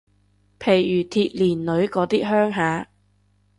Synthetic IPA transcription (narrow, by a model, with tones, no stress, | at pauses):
pʰe˨˩jːyː˨˩t̪ʰiː˧˥t̚liː˨˩nlɵ˨˧˥ɥkɔː˨˥t̪iː˥ɦœː˥ŋɦaː˨˧˥